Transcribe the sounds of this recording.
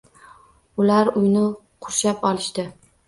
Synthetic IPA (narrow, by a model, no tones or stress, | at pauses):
ʊlaɾʊjnɪ | qʰʊʃapɒlˠɪʃt̪ɪ